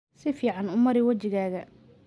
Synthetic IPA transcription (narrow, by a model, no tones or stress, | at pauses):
sɪfiːʕɑnʊmɐɾɪwɐt͡ʃɪɣaːɣɐ